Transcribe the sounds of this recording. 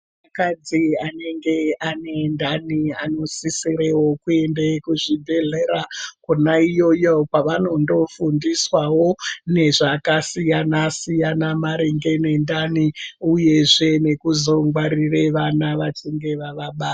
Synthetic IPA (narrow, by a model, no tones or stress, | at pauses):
makad͡ziane̞ŋɡe̞ane̞ndaniano̞sisiɾewo̞kue̞ndekuʐibʱe̞ɮe̞ɾakunaijo̞jopaʋano̞ndo̞fundiswawo̞ne̞ʐakasijanasijanamaɾeŋɡe̞ne̞ndaniuje̞ʐe̞ne̞kuzo̞ŋɡwaɾireʋanaʋat͡ʃiŋɡe̞ʋaʋaɓaː